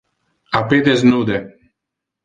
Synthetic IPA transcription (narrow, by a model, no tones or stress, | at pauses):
aped̪eznud̪e